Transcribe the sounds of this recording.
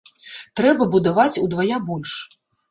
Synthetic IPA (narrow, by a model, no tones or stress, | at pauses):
t̪ɾɛbɐbud̪avat͡sʲud̪vajabɔlʲʂ